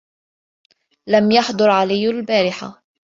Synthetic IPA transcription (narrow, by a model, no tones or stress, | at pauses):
lamjaħd̪ˤʊɾʕalɪjːalbaːɾɪħa̰